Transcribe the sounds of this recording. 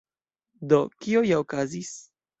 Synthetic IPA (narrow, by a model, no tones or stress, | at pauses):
d̪o̞kiojaokazis